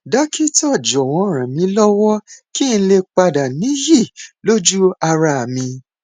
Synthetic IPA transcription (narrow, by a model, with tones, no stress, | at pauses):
da˨˦kʰi˦tɔ˦˨d͡ʒɔ˨w̃ɔ̃˧˦ɾ̃ã˨mĩ˨˧˦lɔ˦wɔ˦ki˦n̩˧le˧k͡pa˧da˨nĩ˨˦ji˦˨lo˦d͡ʒu˦a˧ɾa˧a˨mĩ˧